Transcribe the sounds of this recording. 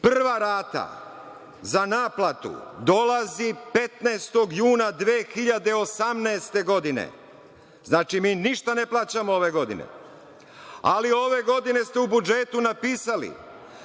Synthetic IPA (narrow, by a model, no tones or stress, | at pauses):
prrʋaɾaːt̪a̰ | zanaːplat̪ṵd̪o̞lazipe̞t̪naːst̪o̞ɡjuːnad̪ʋeːxiʎad̪e̞o̞samnɛːst̪e̞ɡo̞d̪inḛ | znaːt͡ʃimiːniʃt̪aneplˠaːt͡ɕamooʋe̞ɡo̞d̪ḭnḛ | a̰lio̞ʋe̞ɡo̞d̪ine̞st̪eubud͡ʒet̪unapiːsalḭ